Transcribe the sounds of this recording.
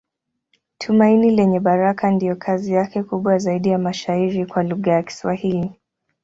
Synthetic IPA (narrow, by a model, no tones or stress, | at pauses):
tʰumainilɛɲɛɓaɾakandijɔkʰazijakɛkuɓwazaiɗijamaʃaiɾikwaluɣajaki̥swahili